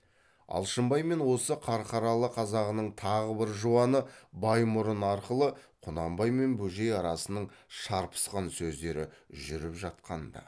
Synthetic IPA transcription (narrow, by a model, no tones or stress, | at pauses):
ɑ̰lˠʃəmbɑjme̞nwo̞səqʰɑɾqʰɑɾɑlˠəqʰɑzɑʁənəɴt̪ʰɑʁəbɪɾʒuɑnəbɑjmʊɾənɑɾqəlˠəqʰʊnɑmbɑjme̞nbɵʒe̞jɑɾɑsənəɴʃɑɾpʰə̥sqɑnsɵzd̪e̞ɾɪʒʏɾɪpʒɑt̪̚qɑnd̪ɑ̰